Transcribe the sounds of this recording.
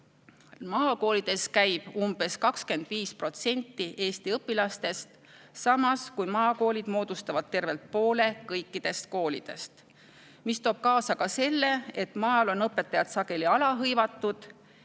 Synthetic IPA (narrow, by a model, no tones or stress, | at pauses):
mɑːko̞ːlid̪̥e̞skæjb̥umb̥e̞skɑkske̞nd̪̥viːspro̞t̪se̞nʲt̪ːiʔe̞ːst̪iɤpːˑilɑst̪e̞st̪ | sɑmɑskujmɑːko̞ːlʲid̪̥mo̞ːd̪̥ust̪ɑvɑd̪̥̚t̪e̞rve̞lt̪̚po̞ːle̞kɤjkːˑid̪̥e̞st̪̚ko̞ːlḭd̪̥e̞̰st̪ | mist̪o̞ːb̥̚kɑːsɑkɑse̞lːe̞et̪mɑːlo̞nɤpːˑe̞t̪ːˑɑjɑt̪sɑɡ̥e̞liɑlɑɦɤjvɑt̪ːˑud̪̥